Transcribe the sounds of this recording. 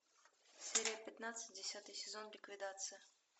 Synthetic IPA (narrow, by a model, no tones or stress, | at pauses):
sʲeɾʲɪjəpʲɪt̪nat̪sɨ̥t̚ʲdʲɪsʲat̪ɨjsʲɪzo̞nlʲɪkvʲɪd̪at̪sɨjə